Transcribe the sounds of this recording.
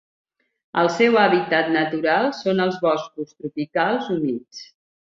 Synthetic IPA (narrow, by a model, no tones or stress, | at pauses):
əlˠsɛwaβit̪at̪nət̪uɾalˠsonəlˠzβɔskust̪ɾupikalˠzumit͡s